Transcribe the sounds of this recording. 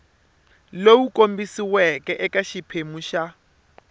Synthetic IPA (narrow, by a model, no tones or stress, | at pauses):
lowukʼombisiwɛkʼɛʔɛkaʃipʰemuʃa